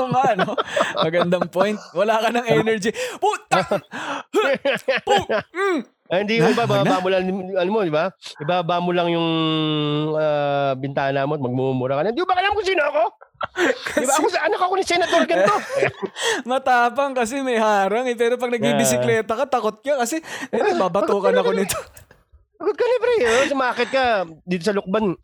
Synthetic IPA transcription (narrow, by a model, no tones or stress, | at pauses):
ŋɐɐnomɐɡɐnd̪ɐŋpojnt̪̚wɐlaːkɐnɐŋʔɛːnɛɹd͡ʒipu | p̩ | hɪnd̪iːʊbabanbaːmʊlaŋɐnʊmod̪ɪbaɪbabaːmʊlɐŋjʊŋ | abɪnt̪aːhɐnaːmot̪mɐɡ̚mumumʊɾakɐnɐnd̪iʊbɐɐlamkʊsiːnoɐko | kd̪ibaɐkoɐnakoɐkonɪsɛnɐt̪oɾɡɐno | mɐt̪aːpɐŋkɐs̬ɛmɐjhaːɾɐŋɛp̬ɛːɾop̬ɐɡ̚nɐɡ̚ibɪsɪlɛːt̪ɐkɐt̪ɐkot̪̚kɐkɐsɛʔɛɐbaːbɐt̪oːkɐnɐkonɪt̪o | sɐɡʊd̪̚kɐnɛpɾisʊmaːkɪt̪̚kɐd̪iːt̪osɐlʊk̚ban